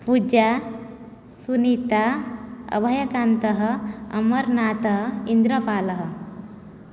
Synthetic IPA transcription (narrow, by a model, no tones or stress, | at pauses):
pud͡ʒa | sunit̪aə̰bʱəjɐkant̪əɦəɐməɾnat̪əɦəind̪ɾəpaːləɦə